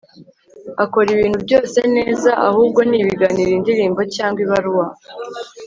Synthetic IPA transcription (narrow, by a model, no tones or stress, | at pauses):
ako̞ɾiβiːn̤̥hubɟo̞ːse̞ne̞ːzaʔa̰huːb̚ɡo̞niːβiɡaniɾindiɾiːmbo̞caːŋɡwiβaɾuwa